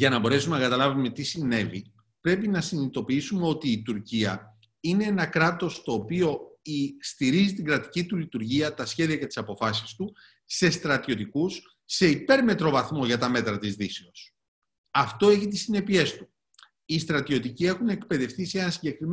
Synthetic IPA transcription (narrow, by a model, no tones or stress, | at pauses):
ʝɐnɐbo̞ɾe̞sume̞nɐkɐt̪ɐlɐvume̞t̪isine̞vḭ | pɾe̞pinɐsinit̪o̞piisume̞o̞t̪iːt̪uɾciɐ | ine̞enɐkɾɐt̪o̞st̪o̞ːpio̞ist̪iɾizit̪iɡɾɐt̪i̥cit̪ulit̪uɾʝiɐt̪ɐsçe̞ðiɐce̞t̪i̥sɐpo̞fɐsi̥st̪u | se̞st̪ɾɐt̪io̞t̪̬ikusː | e̞ipe̞ɾme̞t̪ɾo̞vɐθmo̞ʝɐt̪ɐme̞t̪ɾɐt̪izðiseo̞s | ɐft̪o̞e̞çit̪̬isine̞pie̞st̪u | ist̪ɾɐt̪io̞t̪icie̞xune̞kpe̞ðe̞fθise̞nɐsiɲɟe̞kɾim